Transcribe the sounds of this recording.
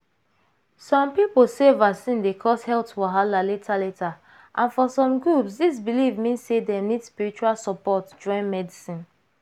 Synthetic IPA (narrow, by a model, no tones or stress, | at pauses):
sɔ̃mpiposevasĩndekʰɔshɛltfɔɦalaletʰaletʰa | ʔãnfɔsɔ̃mɡɹupsdis̬bilivmĩnssedenidspiɹit͡ʃualsɔpɔtd͡ʒɔ̃ɪ̃nmɛdisĩn